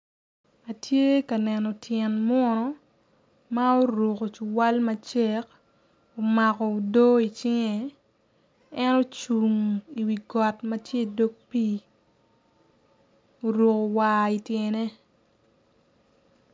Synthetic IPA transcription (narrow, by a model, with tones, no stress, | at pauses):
a˨tje˦ka˨nɛ˨nɔ˨tʰjɛ˨nm˦ɔ˦nɔ˦ | ma˦o˦ɾu˨ko˨t͡ʃu˨wa˦lma˦t͡ʃe˦k | o˨ma˨kɔ˨o˨do˦i˨t͡ʃɪ˦ŋe˨ | ɛ˦no˦t͡ʃu˨ŋi˨wi˨ɡɔ˨tmɐ˦tje˦i˨do˦k̚pi˦ | o˨ɾu˨ko˨waːi˨tje˨ne˦